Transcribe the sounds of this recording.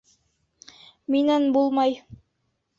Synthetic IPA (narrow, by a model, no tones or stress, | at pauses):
minænbulˠmɑj